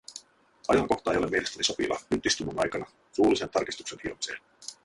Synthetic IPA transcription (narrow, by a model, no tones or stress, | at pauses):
ɑjɑŋko̞ht̪ɑejo̞le̞mːielest̪æniso̞pḭlɑ̰yt̪ːˑist̪umunɑjkɑnɑ | suːlise̞nt̪ɑrkist̪u̥kse̞nilmɑsḛːl